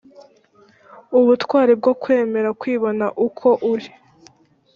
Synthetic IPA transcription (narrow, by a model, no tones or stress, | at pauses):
uβutkwaːɾeb̚ɡo̞kwe̞ːme̞ɾakwiːβo̞naʔukʰo̞ʔuɾi